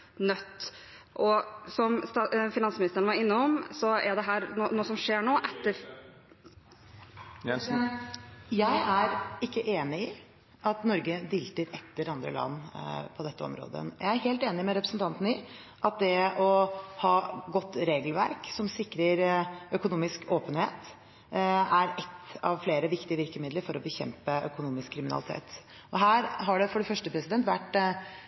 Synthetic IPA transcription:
nœt̪ː | ʔɔsɔmst̪fɪnɑnsmɪnɪst̪əɾəɳəʋɑɾɪnːəɔmsɔæɖɛɦæːɾnoːnoːsɔmʂeːɳoːʔɛt̪ːəɾ | jæɪæɾɪkːəʔeːnɪɪ | ʔɑt̪nɔɾɡəd̪iːlt̪əɾɛt̪ːəɾɑnd̪ɾə̰lɑ̰nːpʰɔd̪ɛt̪ːəɔ̰mɾo̰ːd̪ə̰jæɪæɾheːlt̪eːnɪmɛɾɛpɾəsənt̪ʰɑnt̪ənəɪ | ʔɑt̪̚d̪ɛɔhɑːɡɔt̪ːɾeːɡəlʋæ̰ɾksɔmsɪkːɾəɾœkʊnuːmɪskoːpənheːt̪ | æɾɛt̪ːɑ̰ʋfleːɾəʋɪkt̪ɪəʋɪɾkəmɪd̪ləɾfɔɾɔbəçɛ̰mpəʔœkʊnuːmɪskʰːɾɪmɪnɑ̰lɪt̪ʰḛːt̪ | ɔɦæːɾɦɑɖɛfɔɖɛfœʂʈəpʰɾɛsɪd̪ɛnt̪ʋæʈː

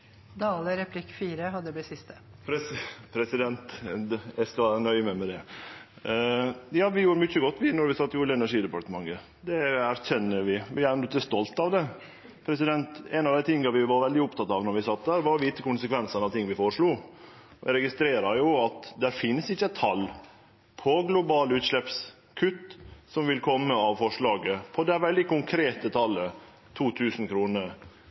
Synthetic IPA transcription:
d̪ɑːləɾɛpʰlɪkːfiːɾəɦɑd̪ːəblɪsɪst̪ə̥ | pɾpʰɾɛsɪd̪ɛnt̪æskɑnœʏəmæmɛd̪ɛ | jɑːʋɪjuːɾəmʏçːəɡɔt̪ːʋɪnɔɾʋɪsɑt̪ːuːləɛnæɾʂiːd̪ɛpɑʈ̪əmɑŋə | d̪ɛæɾçɛnːəɾʋɪʋɪæɾɛnt̪əst̪ɔlt̪ɑʋd̪ɛ | pʰɾɛsɪd̪ɛnt̪ɛnɑʋd̪æɪt̪ʰɪŋːəɾʋɪʋɑɾʋɛld̪ɪʊpt̪ɑt̪ːɑʋnɔɾʋɪsɑt̪̚d̪æːɾʋɑɾɔʋiːt̪əkʊnsəkʰʋɛnsənɑʋt̪ʰɪŋːʋɪfoːɾʂɭuː | ɪɾɛɡɪst̪ɾeːɾɑɾjʊɑt̪d̪æɾfɪnːəsɪçːəæt̪ʰɑl | pʰɔɡlʊbɑːlʉːt̪ʂɭɛps | kʰʉt̪ːsɔmʋɪlkʰɔmːəɑʋfɔʂɭɑːɡəpʰɔd̪ɛʋɛld̪ɪkʊŋkʰɾeːt̪ət̪ʰɑlːə | t̪ʰuːt̪ʰʉːsn̩kʰɾuːnə

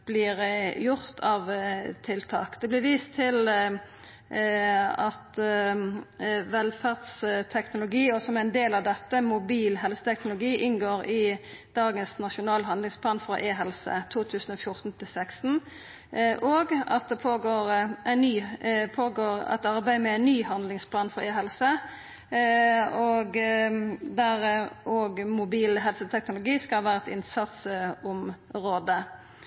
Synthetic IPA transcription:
b̥lɪʁjʊʁt̪ʰɑʋt̪ʰɪlt̪ʰɑ̰ːkd̪̥ɛblɪʋiːst̪ʰːɪl | ɑt̪ | ʋɛlfæʁd̪st̪ʰɛknʊlʊɡiːɔsɔmæɪnd̪eːlɑʋd̪ɛt̪ːəmʊbiːlɦɛlsə̥t̪ʰɛknʊlʊɡiːʔɪnɡoːɾɪd̪̥ɑːɡənsnɑʃʊnɑːlɦɑnɪŋspʰlɑːnfɾɑ̰ʔeːɦɛlsə̰t̪ʰuːt̪ʰʉːsən̩oːfjʊɾt̪n̩t̪ʰɪlsɛkst̪n̩ | ʔoɡɑ̰t̪̚d̪ɛpʰoːɡoːʁʔæɪnːyːpʰoːɡoːʁɛ̰t̪ɑʁbæɪmɛæɪnnːyːhɑnlɪŋspʰlɑːnfɔɾeːɦɛlsə | ɔɡ | d̪æʁʔoɡmʊbiːlɦɛlsət̪ʰɛknʊlʊɡiːskɑʋæːɾɛt̪ɪnsɑt̪sʊmʁoːd̪ə

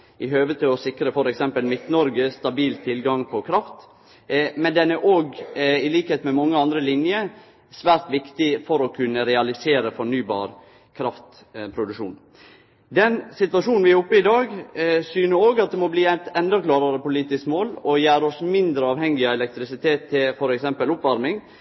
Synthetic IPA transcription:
ʔɪɦøːʋət̪ʰɪɔsɪkɾəfɔɾɛksɛmpəlmɪt̪nɔɾɡəst̪ɑbiːlt̪ʰɪlɡɑŋpʰɔkʰɾɑft̪ | mɛnd̪ɛnæɾʔoːɡɪliːkəheːt̪mɛmɑŋːəɑnd̪ɾəlɪnjə | sʋæːɾt̪ʋɪkt̪ɪfɔɾɔkʰʉnːəɾɛɑlɪseːɾəfɔɳyːbɑ̰ːɾ | kʰɾɑft̪ | pʰɾʊd̪ʉkʂṵːn | d̪ɛnsɪt̪ʋɑʂuːn̩ʋɪæɾʊpːəɪd̪ɑːɡsyːnəoːɡɑt̪̚d̪ɛmɔbliːæt̪ɛnd̪əklɑːɾɑɾəpʊliːt̪ɪskmoːlɔjæːɾɔsmɪnd̪ɾəɑːʋhɛŋːɪɑɛlɛk̚t̪ɾɪsɪt̪ʰeːt̪ʰːɪfɔɾɛksɛmpəlʊpʋɑɾmɪŋ

